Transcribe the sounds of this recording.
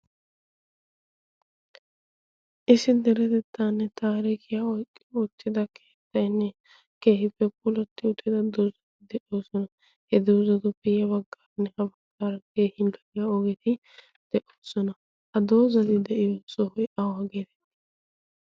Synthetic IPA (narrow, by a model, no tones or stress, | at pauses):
ʔɪsɪd̪ɛɾɛt̪ɛt̪ːaːnːɛt̪aːɾiːkɪjaːɔjkʼːɪɔt͡ʃːɪd̪ɐkʰe̥ːɪt̪ːɐjnːɛ | ke̞ːɦɪpːɛp̚ʊlɔt̪ːɪʊt̪ːɪd̪ɐd̪oːzɐt̪ːɪd̪ɛʔoːsɔnɐ | hɛd̪oːzɐd̪ʊpɪjɐbɐɡːaːɾɐnːɛhɐbɐɡːaːɾɐke̞ːhɪnd̪ɐɪjaɔɡɛt̪ɪ | d̪̥ɛʔoːsɔnɐ | hɐd̪oːzɐt̪ɪd̪ɛʔɪjoːsɔɔjʔawaːɡeːt̪ɛ̥